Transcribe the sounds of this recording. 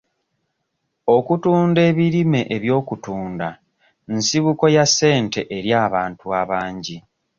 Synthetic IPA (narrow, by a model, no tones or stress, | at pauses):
o̞kutuːnde̞ːβiɾime̞ʔeβjo̞ːkutuːnda | nsiβuko̞jase̞ːnte̞ʔeɾjaːβaːntuaβaːɲɟi